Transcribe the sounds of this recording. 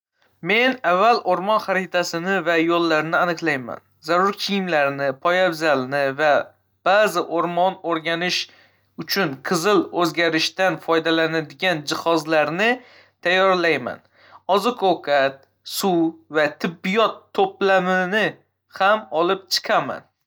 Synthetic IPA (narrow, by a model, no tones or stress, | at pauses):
me̞navːalʔoɾmɒnχaɾɪt̪ʰasɪnɪvajolˠːaɾnɪanɨqlˠajma̰n | zaɾʊɾkʲʰijɪmlaɾnɪpʰɒjabzalnɪva | b̥azɪʔoɾmɒnoɾɡʲanɪʃ | ʊt͡ʃʰʊnqʰɨzɪlɵzɡʲaɾɪʃt̪anfɒjd̪alanad̪ɪɡʲand͡ʒɪhɒzlaɾnɪ | t̪ʰajːɒɾlajma̰n | ɒzɪkʰowkʰat̪ | suvat̪ʰɪbːɪjɒt̪ʰːoplamɪnɪ | hamɒlˠɪp̚t͡ʃʰɨ̥qʰama̰n